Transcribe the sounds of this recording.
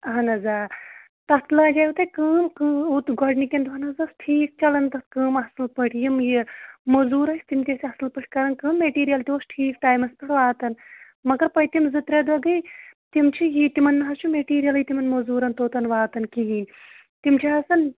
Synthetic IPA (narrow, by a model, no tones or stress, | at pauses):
ɐɦɐnɐzaː | t̪ɐt̪laːd͡ʒaut̪ɐjkɨːmkɨːut̪ɡɔɖnikʲend̪uɦɐnɐzɐsʈʰiːk̚t͡ʃɐlɐnt̪ɐt̪̚kɨːmɐsɨlpɨʈʰjimjimozuːɾɐsʲt̪imt̪ʲesʰʲɐsɨlpɨʈʰʲkɐɾɐnkɨːmmeʈiːɾijɐlt̪iosʈʰiːkʈaːjmɐspɐɾʋaːt̪ɐn | mɐɡɐɾpɐjit̪imzɨt̪ɾed̪ʋɐɡɐjt̪imt͡ʃʰijit̪imɐnːɨɦɐst͡ʃʰumeʈiːɾijɐlɐit̪imɐnmozuːɾɐnt̪oːt̪ɐnʋaːt̪ɐnkiɦiːnʲ | t̪imt͡ʃʰiɦɐsɐn